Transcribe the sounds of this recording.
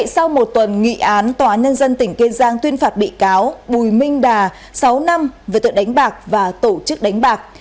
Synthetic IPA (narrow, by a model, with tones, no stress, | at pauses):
sa˧wmo˨˩t̚t̪wə˨˩nŋḭ˧˨ʔaː˨˦nt̪waː˨˦ɲə˧nzə˧nt̪ï˧˩ŋ̟ke˧zaː˧nt̪wi˧ənfaː˨˩t̚ɓḭ˧˨kaː˨˦wɓu˨˩jmï˧ŋ̟ɗaː˨˩ | sa˨˦wna˧mveː˨˩t̪ɨ̰˧˨˩ɗa˨˦jŋ̟ɓaː˨˩k̚vaː˨˩t̪o˧˩t͡ɕɨ˦˥k̚ɗa˨˦jŋ̟ɓaː˨˩k̚